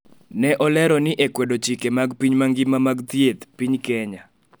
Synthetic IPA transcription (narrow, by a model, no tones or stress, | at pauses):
nɛʔɔlɛɾɔnɪʔekwedot͡ʃikemaɡpiɲmaŋɡɪmamaɡt̪jet̪piɲkɛɲa